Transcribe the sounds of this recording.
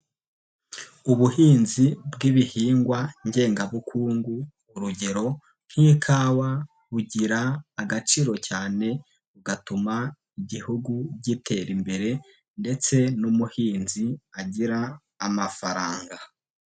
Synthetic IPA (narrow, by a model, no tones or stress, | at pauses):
uβuhiːnzibɡiβihiːŋɡwaɲɟe̞ːŋɡaβukʰuːŋɡuː | ɾuɟe̞ɾo̞ | n̥hiːkʰaːwa | βuɟiɾaːɡat͡ʃiːɾo̞caːne̞ | uɡatuma | iɟihuɡubɟitʰe̞ɾimbe̞ɾe̞ | nde̞t͡se̞numuhiːnziaɟiɾaː | mafaɾaːŋɡa